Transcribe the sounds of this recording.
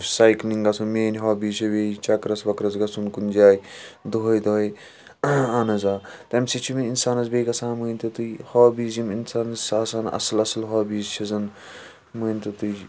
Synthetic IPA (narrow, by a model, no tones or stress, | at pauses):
saːjkliŋɡɐsumeːnʲɦɔːbiːt͡ʃʰɐbeːit͡ʃɐkɾɐsʋɐkɾɐzɡɐsunkund͡ʒaːjd̪oɦɐjd̪oj | anɐzaːt̪ɐmʲsit͡ʃʰimiinsaːnɐzbeːiɡɐsaːnmuːnʲt̪ɐt̪uhɔːbiːziminsaːnɐzaːsaːnɐ̰sɐlɐsɐlɦɔːbiːzt͡ʃʰizɐn | muːnʲt̪ɐt̪uj